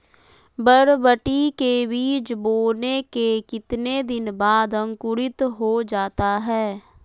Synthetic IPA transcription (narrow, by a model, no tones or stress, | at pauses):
bəɾbəʈikebiːt͡ʃboːnekekɪt̪ned̪ɪnbaːd̪ə̃ŋkʊɽɪt̪ɦod͡ʒaːt̪aɦɛː